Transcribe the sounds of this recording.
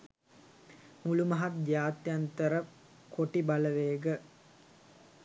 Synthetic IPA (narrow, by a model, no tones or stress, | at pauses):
mulumɐɦat̪̚d͡ʒaːt̪jant̪əɾə | koʈibaləʋeːɡə